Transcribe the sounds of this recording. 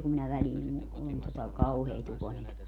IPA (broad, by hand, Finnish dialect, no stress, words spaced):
kum minæ ʋæliːn ku on totɑ kɑuheːt ukonilmɑt